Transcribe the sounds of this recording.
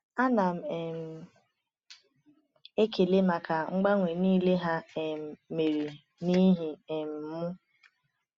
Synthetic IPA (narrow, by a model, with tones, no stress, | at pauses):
a˦na˨m̩˨e˨m̩˨ | e˦ke˨le˦ma˨ka˨ŋ͡m̩˦ɡ͡ba˦ŋʷe˨niː˦le˦ɦa˦e˨m̩˨me˨ɾi˨ | ni˦ɦi˨e˨m̩˨m̩˦mʊ˦